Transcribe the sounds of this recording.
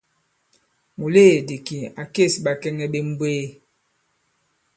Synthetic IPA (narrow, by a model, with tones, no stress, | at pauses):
mu˨leː˦˨de˨ki˨a˨ke˦˨sɓa˨kɛ˦ŋɛ˦ɓe˦m̩˦bweː˦